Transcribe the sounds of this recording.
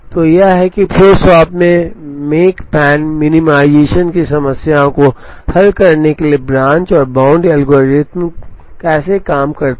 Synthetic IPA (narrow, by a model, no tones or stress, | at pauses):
t̪oːjɐɦɛkipʰoːsɔːpmẽmeːkpɛːnmɪnɪmaːɪd͡ʒeːʃənkisɐməsjaõko | hɐlkɐɾnekeliebɾãːɲt͡ʃɔːɾbãːʊ̃ɳɖɐlɡoːɾɪt̪mkɛːsekaːmkɐɾt̪